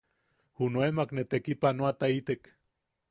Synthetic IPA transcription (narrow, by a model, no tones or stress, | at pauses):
hunoemaknet̪ekipanoat̪ait̪ek